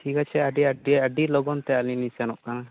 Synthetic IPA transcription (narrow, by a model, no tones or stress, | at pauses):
ʈʰikat͡ʃʰɛaɖiaɖiaɖilɔɡɔnt̪ɛalinisɛnɔʔkana